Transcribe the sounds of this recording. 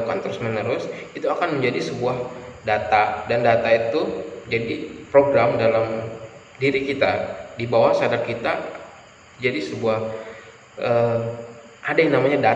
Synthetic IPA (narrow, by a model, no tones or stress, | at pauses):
kant̪əɾʊsmənəɾʊsit̪uakanməɲd͡ʒadisəbuahdat̪adandat̪ait̪ud͡ʒadipɾoɡɾamdalam | diɾikit̪adibawahsadarkit̪a | d͡ʒadisəbuah | ʔə | ʔadajaŋnamaɲada